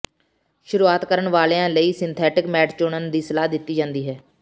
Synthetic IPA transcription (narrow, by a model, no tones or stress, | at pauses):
ʃʊɾuːaːt̪kəɾəɳʋaːleãːləiːsɪ̃nt̪ʰɛːʈɪkmɛːʈʰt͡ʃʊɳənd̪iːsəlaːd̪ɪt̪ːiːd͡ʒãːnd̪iːɦɛː